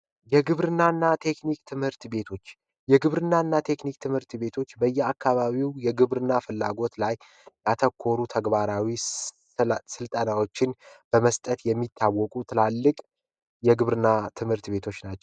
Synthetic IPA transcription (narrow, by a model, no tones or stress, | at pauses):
jɛɡɨβɾɨnːanːat̪ʰe̞knik̚t̪ʰɨmhɨɾt̪be̞t̪ʰo̞t͡ʃː | jɛɡɨβɾɨnːanːat̪ʰe̞knikt̪ʰɨmhɨɾt̪be̞t̪ʰo̞t͡ʃːbəjːɛakːaβaβiwjɛɡɨβɾɨnːafɨlːa̰ɡo̞t̪laj | jat̪ʰəkʰːo̞ɾut̪ʰəɡβaɾawi | sɨlt̪ʼənawo̞t͡ʃːɪnb̥əməst̪ʼət̪jɛmːit̪ʰːawːɔkʼut̪ʰɨlalːɨkʼ | jɛɡɨβɾɨnat̪ʰɨmhɨɾt̪be̞t̪ʰo̞t͡ʃːnat͡ʃːɛw